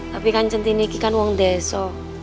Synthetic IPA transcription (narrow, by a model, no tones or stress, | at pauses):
t̪apikant͡ʃənt̪inikikanwɔŋd̪ɛsɔ